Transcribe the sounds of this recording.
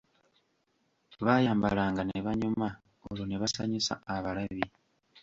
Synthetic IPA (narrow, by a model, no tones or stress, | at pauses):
βajaːmba̰laːŋɡaneβaɲuma | oloneβasaɲisa̰ːβalaβi